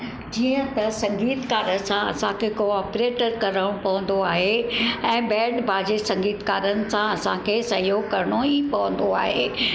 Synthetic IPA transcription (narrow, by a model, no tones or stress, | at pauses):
d͡ʑiːə̃t̪ɐsɐ̃ŋɡiːt̪kaːɾən̆sãɐsãkʰekoːɔːpɾeːʈəɾkɐɾəɽ̃pɐʋə̃n̆d̪oaːɦeɛ̃ːbɛ̃ːɳɖbʱaːd͡ʑesɐ̃ŋɡiːt̪kaːɾənɪ̆sãɐsã̰kʰeːsɐɦijoːɡ̚kɐɾɽ̃oipɐʋə̃n̆d̪oa̰ːɦeː